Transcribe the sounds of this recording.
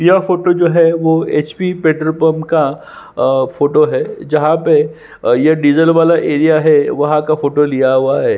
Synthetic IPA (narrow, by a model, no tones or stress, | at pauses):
ijafoːʈod͡ʒoːɦɛʋoeːt͡ʃpipeːʈɾəɾpəmka | foːʈoɦɛːd͡ʒɐɦãpe | jɐɖiːzəlʋaːlaʔeːɾijaɦɛʋɐɦãkafoːʈolijaɦʊaɦɛː